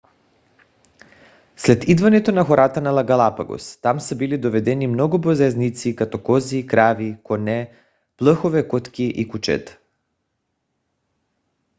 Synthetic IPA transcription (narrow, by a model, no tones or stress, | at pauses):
slɛt̪id̪vanɛt̪onaxɔɾat̪analˠaɡalˠapa̰ɡo̰st̪amsɛbilid̪ovɛd̪ɛnimnɔɡubozɛznit̪sikat̪ɔkɔzikɾavikɔnɛ | plˠəxovɛkɔt̪kiʔikut͡ʃɛ̰t̪